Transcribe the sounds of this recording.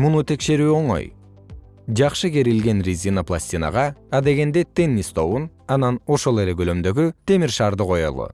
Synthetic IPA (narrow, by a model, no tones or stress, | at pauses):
munut̪ʰe̞kʃe̞ɾyːo̞ɴo̞̰j | d͡ʒɑqʃɯɡe̞ɾilɡe̞nrʲizʲinaplˠa̰sʲt̪ʲina̰ʁɑɑd̪e̞ɡe̞nd̪et̪e̞nʲːist̪ʰo̞βunɑnɑno̞ʃo̞lˠe̞leɡølø̞md̪ø̞ɡyt̪e̞miɾʃɑːɾd̪ɯqʰo̞jo̰lˠṵ